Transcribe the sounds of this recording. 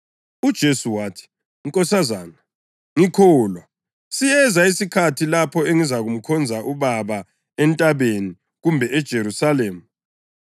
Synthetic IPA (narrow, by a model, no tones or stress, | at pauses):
ud̥ʒ̥ʱesuwaːtʰi̥ | ŋ̩kʼɔsazaːna | ŋikʰolwa | sijɛzaisikʰatʰilapʰɔeŋizaɣum̩kʰɔnd͡zʱaʔuβaβa | ɛntʼaβeni | ɣumbʱɛʔɛd̥ʒ̥ʱeɾusaleːmu